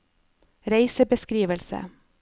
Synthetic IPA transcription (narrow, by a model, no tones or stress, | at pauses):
ɾeɪsəbəskɾiːʋəlsə̰